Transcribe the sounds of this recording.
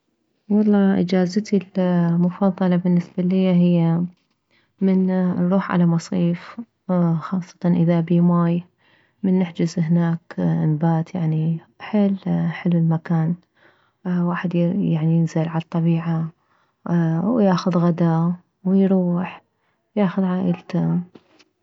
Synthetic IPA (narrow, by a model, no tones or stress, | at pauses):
wɑlˤːɑːʔɪ̰d͡ʒaːzat̪ilmʊfɑðˤːɑlɑbɪnːɪsbalɪjːaɦɪjːa | mɪnnɾˤuːħʕa̰lamɑsˤiːf | xɑːsˤːɑ̥t̪ɑnʔɪðabiːmaːj | mɪnːɪħd͡ʒɪzhnaːknbaːt̪jaʕni | ħɪlːħɪlwɪlmakaːn | waːħɪd̪jjaʕnijɪnzɪlʕalɑt̪ˤːɑbiːʕa | wjaːxʊðɣad̪a | wɪjɾuːħ | jaːxʊðʕaːʔɪlt̪a